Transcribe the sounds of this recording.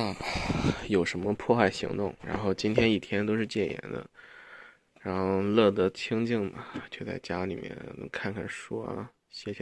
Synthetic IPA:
a˥˩ | jo˨˩ʊʂə˧˥nmə˧pʰwɔ˥˧xa˥˩ɪɕḭ˧˥ŋt̪ʊ˥˩ŋɻa̰˧˥nxo˥˩ʊt͡ɕi˥nt̪ʰjɛ˥ni˥˩t̪ʰjɛ˥nt̪o˥ʊʂɻ̩˥˧t͡ɕjɛ˥˩njɛ̰˧˥nd̪ə̰˧ | ɻa˧˥nxo˥˧ʊlɤ˥˩d̪ə˧˥t͡ɕʰi˥ŋt͡ɕi˥˩ŋmɐ˩t͡ɕjo˥˧ʊt͡sa̰˥˩ɪt͡ɕja˥li˨˩mjɛ̰˥˩nkʰa˥˧nkʰa˥˩nʂwɔ˥˩ | ɕjɛ˥˩ɕ

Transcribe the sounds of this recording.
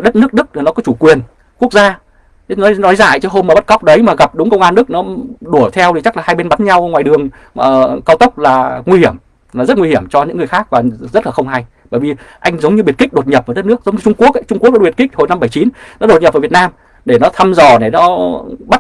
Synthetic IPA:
ɗə˦˥t̚nɨ˦˥ək̚ɗɨ˦˥k̚nɔ˨˦kɔ˨˦t͡ɕu˧˩kwi˨˩ən | ku˦˥ək̚zaː˧˨˦ | nɔ˨˦nɔ˨˦jza̰ː˧˨jt͡ɕʰə˨˦ɦo˧ma˨˩ɓa˦˥t̚ka˦˥wk͡p̚ɗə˨˦jmaː˨˩ɣa˨˩p̚ɗʊ˨˦ŋ͡mkə˧wŋ͡mʔaː˧nɗɨ˦˥k̚nɔ˨˦ɗu˧˩ət̪ʰɛ˧wt̪i˨˩t͡ɕa˦˥k̚laː˨˩haː˧jɓe˧nɓa˨˦nɲa˧wŋwaː˨˩jɗɨ˨˩əŋ | ə˨˩kaː˧wt̪ə˦˥wk͡p̚laː˨˩ŋwi˧hi˧˩əm | laː˨˩zə˦˥t̚ŋwi˧hi˧˩əmt͡ɕɔ˧ɲɨ̰˧˥ŋːɨ˨˩əxaː˦˥k̚vaː˨˩zə˦˥t̚laː˨˩xə˧wŋ͡mha˧j | ɓəː˧˩jvi˨˩ʔa˧jŋ̟zə˨˦wŋ͡mɲɨ˧ɓi˨˩ət̚kï˦˥k̟̚ɗo˨˩t̚ɲə˨˩p̚vaː˧˩ɗt̚nɨ˦˥ək̚zə˨˦wŋ͡mɲɨ˧t͡ɕʊ˧ŋ͡mku˦˥ək̚ʔa˦jt͡ɕʊ˧ŋ͡mku˦˥k̚ːi˨˩ki˦˥k̟̚ho˨˧˩jna˧mɓə˧˩jt͡ɕi˨˦nnɔ˨˦ɗo˨˩t̚ɲə˨˩p̚aː˧˩vt̚naː˧m | ɗe˧˩nɔ˨˦t̪ʰa˧mzɔ˨˩ɗe˧˩nɔ˨˦ɓa˦˥t̚

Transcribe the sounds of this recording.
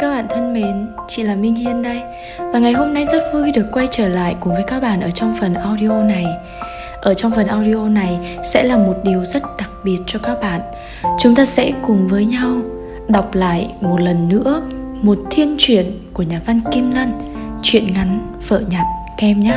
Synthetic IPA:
kaː˦˥k̚ɓaː˧˨nt̪ʰə˧nme˨˦n | t͡ɕḭ˧˨laː˨˩mï˧ŋ̟hi˧ənɗə˧j | vaː˨˩ŋa˨˩jɦo˧mna˧jzə˦˥t̚vu˧jɗɨ˨˩əkːwa˧jt͡ɕəː˧˩la̰ː˧˨jkʊ˨˩ŋ͡mvəː˨˦jkaː˦˥k̚ɓaː˧˩˨nʔəː˧˩t͡ɕɔ˧wŋ͡mfə˨˩nʔaː˧wɗi˧ʔo˧na˨˩j | ʔəː˧˩t͡ɕɔ˧wŋ͡mfə˨˩nʔaː˧wɗi˧ʔo˧na˨˩jsɛ̰˧˥laː˨˩mo˨˩t̚ɗi˨˩əwzə˦˥t̚ɗa˨˩k̚ɓi˨˩ət̚t͡ɕɔ˧kaː˦˥k̚ɓa̰ː˧˨n | t͡ɕʊ˨˦ŋ͡mt̪aː˧sɛ̰˧˥kʊ˨˩ŋ͡mvəː˨˦jɲa˧w | ɗa˨˩wk͡p̚la̰ː˧˨jmo˨˩t̚lə˨˩nːɨ̰˧˥əmo˨˩t̚t̪ʰi˧ənt͡ɕwi˧˩ənku˧˩əɲaː˨˩va˧nki˧mla˧n | t͡ɕwḭ˧˨ənŋa˨˦n | fə̰ː˧˨ɲa˨˩t̚ | kɛ˧mɲaː˦

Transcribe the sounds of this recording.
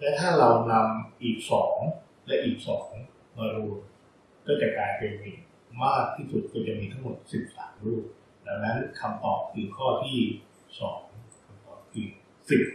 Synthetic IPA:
lɛː˦˥t̪ʰaː˥˩ɾa˧wna˧mʔiː˨˩k̚sɔː˩˦ŋ | lɛ˦˥ʔiː˨˩k̚sɔː˩˦˩ŋ˦kʰɔŋ˦ | maː˧ɾuː˧n | kɔː˥˩t͡ɕɛ˨˩kaː˧jpe˧nmi˨˩ | maː˥˩k̚t̪ʰiː˥˩su˨˩t̪̚kɔ˧˩t͡ɕa˨˩miː˧t̪ʰa˦˥ŋmo˨˩t̪̚si˨˩p̚sa̰ː˩˦mɾuː˥˩p̚ | lɛ˧˩wna˦˥nkʰa˧mt̪ɔː˨˩p̚kʰɯː˧kʰɔː˥˩t̪ʰiː˥˩ | sɔː˩˦ŋŋkʰa˧mt̪ɔː˨˩p̚kʰɯː˧ | si˨˩p̚

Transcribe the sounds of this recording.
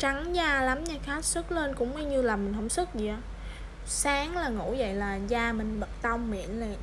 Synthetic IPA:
t͡ɕa˨˦ŋzaː˧˩la˨˦mɲa˨˩xaː˦˥t̚sɨ˦˥k̚le˧nkʊ̰˧˥ŋ͡ma˧ɲɨ˧laː˨˩mï˨˩ŋ̟ɦə˧˥wŋ͡msɨ˦˥k̚zi˨˩ʔaː˨˦ | saː˨˦ŋlaː˨˩ŋṵ˧˩˥və̰˧˨jlaː˨˩zaː˧˩mï˨˩ŋ̟ɓə˨˩t̚t̪ə˧wŋ͡mmḭ˧˨ənlə˨˩˨

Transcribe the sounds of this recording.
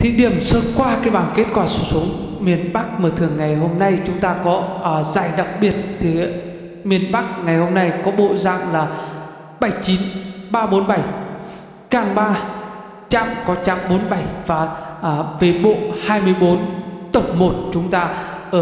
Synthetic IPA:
t̪ʰḭ˧˨ɗi˧˩əmsəː˧tkwaː˧kaː˨˦jɓaː˧˩ŋke˦˥t̚kwaː˧˩su˧˩su˨˦əŋmi˨˩ənɓa˦˥k̚məː˧˩t̪ʰɨ˨˩əŋːa˨˩jɦo˧mna˧jt͡ɕʊ˨˦ŋ͡mt̪aː˧kɔ˨˦˧zaː˧˩jɗa˨˩k̚ɓi˨˩ət̚t̪ʰi˨˩ | mi˨˩ənɓa˦˥k̚ŋa˨˩jho˧mna˧jkɔ˨˦ɓo̰˧˨za̰ː˧˨ŋlaː˨˩ | ɓə˧˩jt͡ɕi˨˦nɓaː˧ɓo˨˦nɓa˧˩j | kaː˨˩ŋɓaː˧ | t͡ɕa̰ː˧˨mkɔ˨˦t͡ɕa̰ː˧˨mɓo˨˦nɓa˧˩jvaː˨˩ʔve˨˩ɓo̰˧˨haː˧jmɨ˧əjɓo˨˦nt̪ə˧˩wŋ͡mmo˨˩t̚t͡ɕʊ˨˦ŋ͡mt̪aː˧ | ʔəː˧˩

